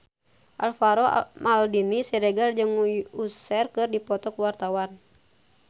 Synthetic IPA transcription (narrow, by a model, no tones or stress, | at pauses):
ʔa̰lfaɾɔmaldinisɛɾɛɡard͡ʒɨŋuusɛrkɨrdipɔt̪ɔkuwart̪awan